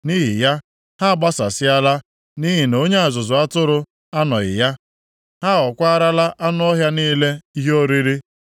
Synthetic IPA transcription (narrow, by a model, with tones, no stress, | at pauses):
ni˦ɦḭ˨ja˦ | ha˦˨ɡ͡ba˦sa˨sɪ˦a˦la˦ | ni˦ɦi˨no˦ɲe˦a˨zʊ˨zʊ˨a˦tʊ˦ɾʊ˦ | a˦nɔ˨ɪ̰˨ja˦ | ha˦ɔ˨kʷa˦ɾa˦la˦ʔa˦nʊ˦ɔ˦ɦja˦niː˦le˦i˦ɦo˦ɾi˦ɾi˦